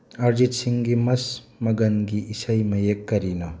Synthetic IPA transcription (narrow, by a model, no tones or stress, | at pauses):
ɐɾd͡ʒitsiŋɡimɐs | mɐɡɐnɡiisɐjmɐjekːɐɾinɐ